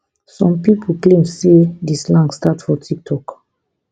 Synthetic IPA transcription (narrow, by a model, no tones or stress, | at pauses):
sɔ̃mpipʰl̩klẽmsedislãŋɡstatfɔtʰik̚tʰɔk